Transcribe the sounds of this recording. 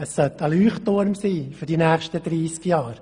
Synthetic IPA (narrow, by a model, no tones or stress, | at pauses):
ɛsːœtəlyːχtːoɾmsiːfyɾdinæːχʃtəd̥̪ɾiːskjɑːɾ